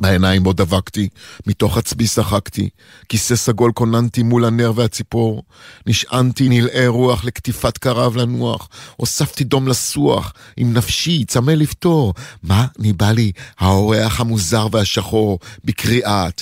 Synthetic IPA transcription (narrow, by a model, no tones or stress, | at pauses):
baenajimbod̪avaktimito̞χat͡sbisaχaktḭ | kise̞saɡo̞lko̞nantimulane̞ʁveat͡sipo̞ʁniʃʔantinilʔe̞ʁuaχle̞ktifatkaʁavlanuaχo̞saftido̞mlasua̰χʔimnafʃit͡samelifto̞ʁmanibalihao̞ʁeaχhamuzaʁveaʃaχo̞ʁbekʁiʔat